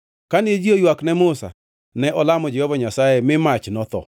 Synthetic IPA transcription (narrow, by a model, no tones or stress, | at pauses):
kanɪed͡ʒiojwaknɛmʊsa̰ | nɛʔɔlamɔd͡ʒɛhɔvaɲasajɛmɪmat͡ʃnɔt̪ɔ̰